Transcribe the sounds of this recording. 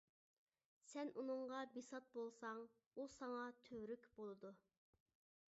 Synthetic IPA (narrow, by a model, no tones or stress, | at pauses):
sɛnʔunɨŋʁɑbisɑt̪̚bolˠsɑŋ | usɑŋɑt̪ʰøwɾykʲbolˠɨd̪u